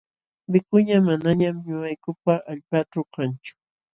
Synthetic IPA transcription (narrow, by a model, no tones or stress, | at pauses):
bɪkʊɲamanaɲamɲʊajkʊpaʔaʎpaʈ͡ʂʊkant͡ʃʊ̥